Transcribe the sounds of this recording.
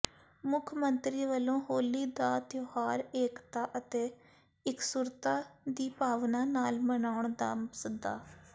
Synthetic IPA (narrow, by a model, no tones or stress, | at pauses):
mʊkʰmənt̪ɾiːʋəlõːɦoːliːd̪aːt̪johaːɾeːkt̪aːʔət̪eː | ɪksuːɾt̪aːd̪iːpaːʋnãːnaːlmənaːʊɳd̪a̰ːmsəd̪a̰ː